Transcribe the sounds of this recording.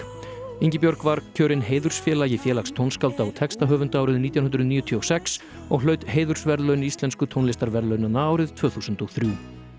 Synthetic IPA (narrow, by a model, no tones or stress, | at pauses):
iɲcɪpjɔɾkvaɾcʰœːɾɪnɦeːjðʏɾ̥sfjɛːlajɪfjɛːlakst̪ʰownskawlt̪aawt̪ʰɛkst̪aɦœːvʏnt̪aːwɾɪðniːt̪jawnɦʏnɾʏðniːjʏt̪ʰiɔsɛks | ɔɣlœːɥt̪heːjðʏɾ̥svɛɾðlœɥnɪist̪lɛnskʏt̪ʰownlɪst̪aɾvɛɾlœɥnanaaːwɾɪð̥t̪ʰv̥œːθuːsʏnt̪ɔɣθɾjuː